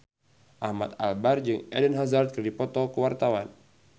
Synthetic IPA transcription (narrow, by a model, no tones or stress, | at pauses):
ʔahma̰t̪̚a̰lbard͡ʒɨŋɛ̰dənɦazart̪̚kɨrdipɔt̪ɔkəwart̪awan